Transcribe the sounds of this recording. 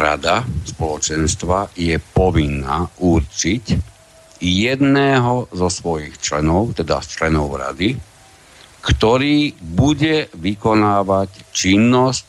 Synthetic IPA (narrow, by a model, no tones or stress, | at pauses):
ɾa̰d̪aspɔlɔt͡ʃɛnst̪ʋajɛpɔʋinːa̰ːʔuɾt͡ʃic | jɛd̪nɛːɦɔzɔsʋɔjixt͡ʃlɛ̰nɔʊt̪ɛd̪a̰st͡ʃlɛnɔʊɾa̰d̪i | kt̪ɔɾiːbuɟɛʋikɔnaːʋact͡ʃinːɔsc